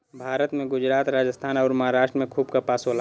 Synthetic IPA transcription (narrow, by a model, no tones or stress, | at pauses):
bʱaːɾət̪mẽɡʊd͡ʒɾaːt̪ɾaːd͡ʒəst̪ʰaːnɔːɾmɐɦaːɾaːʃʈɾəmẽkʰuːbkapaːsoːla